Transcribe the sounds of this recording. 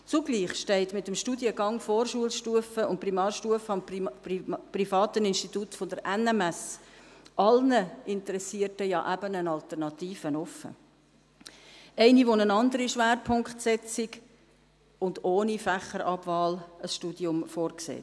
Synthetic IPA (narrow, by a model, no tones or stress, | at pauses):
t͡suɡ̥liːχʃtɛɪtmɪtəmʃtudjəɡɑŋfoːrʃuəlʃtuəfəʊnt̚primɑːrʃtuəfəɑm | prifɑːtənɪnʃtituːtfod̪əɾʔɛnɛmɛs | ʔɑlnəɪntəɾɛsiːətəjɑ̰ːʔæbənənɑlt̪əɾnɑt̪iːfənɔfːə̰ | ɛɪniʋonənɑnd̪əɾiʃʋæːɾpʰʊŋkχtsɛt͡sɪɡ | ʊndoːnifæχəɾɑbvɑːləsʃtuːd̥iʊmfoːrksḛːt